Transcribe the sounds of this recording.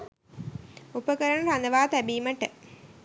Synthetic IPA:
upɐkɐɾɐɳɐɾɐnd̪ɐʋaːt̪ɐbiːmɐʈːɨ

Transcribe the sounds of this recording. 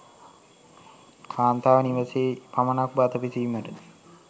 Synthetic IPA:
kʰaːnt̪aːʋəniʋəseːpamənak̚bat̪əpisiməʈən

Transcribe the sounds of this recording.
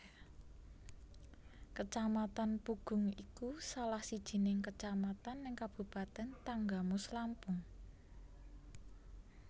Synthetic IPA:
kət͡ʃamat̪anpuɡ̥ʊ̤ŋikusalahsid̥ʒ̥i̤nɪŋkət͡ʃamat̪anːɪŋkab̥ṳpat̪ɛnt̪aŋɡamʊslampʊŋ

